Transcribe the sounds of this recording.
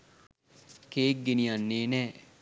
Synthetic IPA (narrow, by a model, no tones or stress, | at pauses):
keːk̚ɡenijanːeːnɛː